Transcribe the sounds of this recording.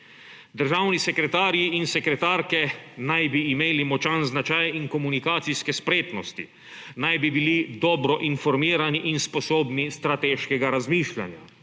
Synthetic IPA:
d̪əɾʒawnisɛkɾɛt̪aːɾjiinsɛkɾɛt̪aːɾkɛnajbiːmeːlimɔt͡ʃanznat͡ʃajiŋkɔmunikaːt̪sijskɛspɾeːt̪nɔst̪ḭ | najbibilid̪ɔːbɾɔʔinfɔɾmiːɾaniʔinspɔsoːbnist̪ɾat̪eːʃkɛɡaɾazmiːʃlʲa̰nja

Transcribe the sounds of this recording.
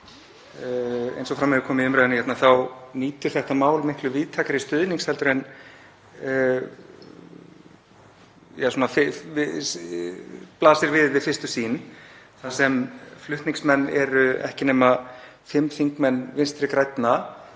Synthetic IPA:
ḛjnsɔfɾamːɛðʏkʰɔːmɪʏmɾaðʏnçɛt̪naθawniːt̪ʏɾ̥θɛht̪amaːwlmɪhklʏviːðt̪ʰaːkaɾist̪ʏðniŋkshɛlt̪ʏɾɛn | jasuːnafɪ | plaːsɪɾvɪðvɪðfɪrst̪ʏsiːn | θasɛmflʏht̪niŋsmɛnːɛɾʏɛ̰hcɪneːma | fɪmːθiŋkmɛnːvɪnst̪ɾɪkɾajt̪na

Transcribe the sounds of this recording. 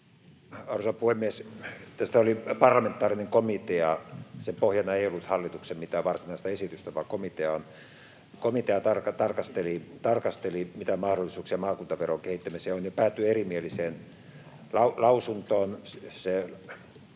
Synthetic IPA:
ɑrusɑpuhemːiest̪æst̪æolipɑrlɑment̪ːˑɑːrineŋkomit̪eɑsempohjɑnɑeijolːut̪hɑlːit̪uksemmit̪æːʋɑrsinɑˑist̪ɑesit̪yst̪æʋɑːkomit̪eɑon | komit̪eɑt̪ɑrkɑt̪ɑrkɑst̪elit̪ɑrkɑst̪elimit̪æmɑhɾolːisuːksiɑmɑːkuːnt̪ɑʋeroŋkehit̪ːæmiseonjɑpæːt̪ːyerimieliseːn | lɑlɑusunt̪oːnse

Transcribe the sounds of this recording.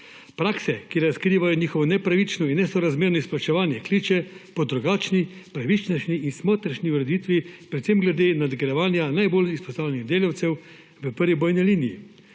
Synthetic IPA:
pɾaːksɛkiɾaskɾiːʋajɔniːxɔʋɔnɛpɾaʋit͡ʃnɔinːɛsɔɾazmeːɾnɔisplat͡ʃɛʋaːnjɛkliːt͡ʃɛpɔd̪ɾuɡaːt͡ʃnipɾaʋit͡ʃnɔʃniinsmoːt̪ɾɐʃniuɾɛd̪iːt̪ʋipɾɛt̪semɡlɛd̪eːnad̪ɡɾɛʋaːnjanajbolispɔ̥st̪aːwlɛniɣd̪eːlawt̪sɛw | ʋəpəɾʋibɔːjniliːnijḭ

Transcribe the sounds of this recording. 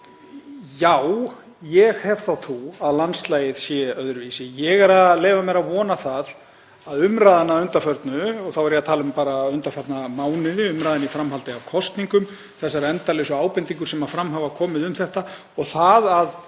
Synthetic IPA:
jaw | jɛɣhɛvθawt̪ʰuaðlanslaːjɪðsjɛœðɾvisɪjɛɣɛɾaðleːjvamɛɾaðvɔːnaθað | aðʏmɾaːðanaʏnt̪afœɾt̪nʏɔɣθawɛɾjat̪ʰaːlʏmpaːɾaʏnt̪afœɾt̪namaːwnɪðɪʏmɾaːðɪnifɾamɦalt̪ɪavkʰɔst̪niŋkʏm | θɛsːaɾɛnt̪alesʏaːwpɛnt̪iŋkʏɾ̥sɛmafɾamɦaːvakʰɔːmɪðʏmθɛht̪a | ɔɣθaðað

